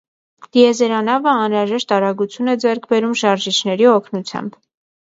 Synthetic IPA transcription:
d̪̥iɛzɛɾɑnɑvəɑnɾɑʒɛʃt̪ɑɾɑɡut͡sʰjunɛd͡zɛɾkʰbɛɾumʃɑɾʒit͡ʃʰnɛɾiɔkʰnut͡sʰjɑ̰mb

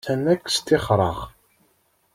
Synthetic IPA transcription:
ænækːst̪ɪχɾˤɑ̰ʁ

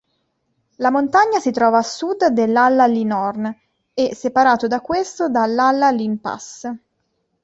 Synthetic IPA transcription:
lamont̪aɲːasit̪ɾɔːvaːsːud̪d̪elːalːalinɔrn | ɛsepaɾaːt̪od̪akːwest̪od̪alːalːalimpa̰s

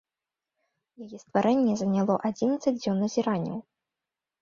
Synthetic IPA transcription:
jajɛst̪vaɾʔɛnʲːɛzɐnʲalˠɔʔad͡zʲinɐt̪sɐd͡zʲd͡zʲɔnːɐzʲiɾanʲːɐ̰w

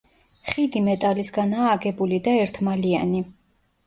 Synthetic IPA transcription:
χid̪imɛt̪ʼalisɡanaːɡɛbulid̪aɛɾt̪ʰmalia̰ni

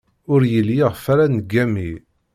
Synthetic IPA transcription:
ʊɾjəljiʁfaɾanɡːæmi

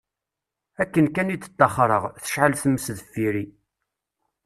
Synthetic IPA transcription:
ækːənkænit͡s̪ːə̥t̪ːɑχɾˤəʁθə̥ʃʕəlθəmːəsðəfːiɾi

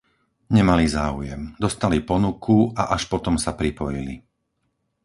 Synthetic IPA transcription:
ɲɛmalizaːujɛmd̪ɔst̪alipɔnukʰuaʔaʃpɔt̪ɔmsapɾipɔjilḭ

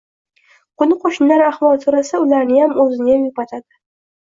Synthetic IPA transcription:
qʊnɪqʰoʃɪnlaɾaχwɒlˠsoɾasaʊlaɾnɪjamɵzɪnɪjamjʊpat̪ʰad̪ɪ

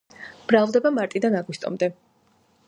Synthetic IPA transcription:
b̥ɾavlˠd̪ɛbamaɾt̪ʼid̪anaɡwist̪ʼɔ̰md̪ɛ

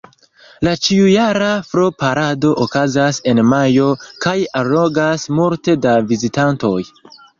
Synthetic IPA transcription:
lat͡ʃiujaɾafɾopaɾado̞ʔokazase̞nmajo̞kajaloɡasmulte̞davizitanto̞j

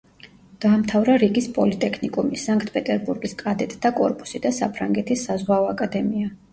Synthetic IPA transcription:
d̪̥aːmt̪ʰavɾaɾiɡispʼɔlit̪ʼɛkʰnikʼumisaŋkʰʼt̪ʰpʼɛt̪ʼɛɾbuɾɡiskʼad̪ɛt̪ʼd̪akʼɔɾpʼu̥sid̪asapʰɾaŋɡɛt̪ʰisːazʁwaɔakʼad̪ɛmia

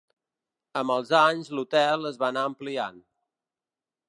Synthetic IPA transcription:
əməlˠzaɲzlut̪ɛlˠəzβanaəmplia̰n

